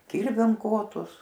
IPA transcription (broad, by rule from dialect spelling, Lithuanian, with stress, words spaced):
ˈkʲɪrʲʋʲɛm ˈkoːtʊs